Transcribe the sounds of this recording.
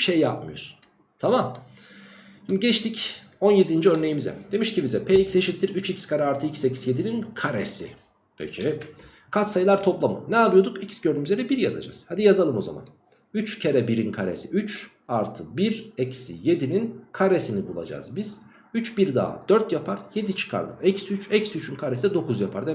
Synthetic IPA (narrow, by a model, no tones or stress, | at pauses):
ʃejːapmɯjo̰ɾsu̥n | t̪ʰamam | imɟɛt͡ʃt̪ʰic | o̞nje̞d̪ind͡ʒiø̞ɾne̞jimizɛ̰d̪̥e̞miʃcibizɛpʰeːicse̞ʃit̪ːiɾyt͡ʃicskʰaɾaaɾt̪ʰɯicsecʰi̥sje̞d̪ininkʰaɾḛsḭ | pʰḛcʰi | kʰat̪sajlˠaɾt̪ʰo̞plˠamɯ̰nɛabˠɯjo̞d̪ukicsɟøɾnymyzʲeɾɛbiɾjaza̰d͡ʒa̰z̥had̪ijazalˠɯmo̞za̰ma̰n | yt͡ʃcʰeɾɛbiɾinkʰaɾḛsiʔyt͡ʃ | aɾt̪ʰɯbiɾɛcsḭje̞d̪ininkʰaɾesinibulˠa̰d͡ʒa̰ːzbiz̥ | yt͡ʃbiɾd̪a̰ːd̪̥øɾt̪japʰaɾje̞d̪it͡ʃʰɯ̥kʰa̰ɾd̪ɯ̰ɛcsyt͡ʃɛcsyt͡ʃʰynkʰaɾesɛd̪o̞kʰuzjapʰaɾd̪e